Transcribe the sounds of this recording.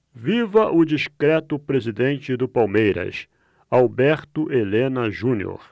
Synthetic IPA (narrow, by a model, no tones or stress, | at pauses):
vivɐʔʊd͡ʒiʃkɾɛt̪ʊpɾezid̪ẽnt͡ʃɪd̪ʊpawmejɾɐ̰s | awbɛɾt̪ʊʔelẽnɐʒũnjo̰ɾ